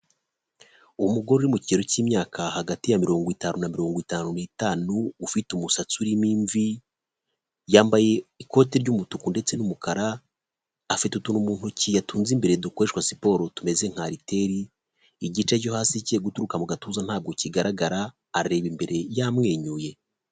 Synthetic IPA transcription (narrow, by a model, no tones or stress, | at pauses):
umuɡo̞ɾoɾimuciɟeɾociːmɲaːkʰahaɡatijamiɾo̞ːŋɡwitaːnunamiɾo̞ːŋɡwitaːnunitaːnuːfitumusat͡suɾimiːɱvi | jaːmbaje̞iko̞ːteɾɟumutukunde̞t͡se̞numukaɾaː | fitutunumuːn̥hucijatuːnzimbe̞ɾe̞dokwoɾeʃkwasi̥po̞ːɾo̞tume̞ze̞ŋ̥haɾite̞ɾiː | ɟit͡ʃeɟohaːsiceɡutuɾukamuɡatuːzan̥haːb̚ɡo̞ciɡaɾʔaɡaɾaː | ɾɾe̞ːβimbe̞ɾe̞jamŋe̞ːɲuːje̞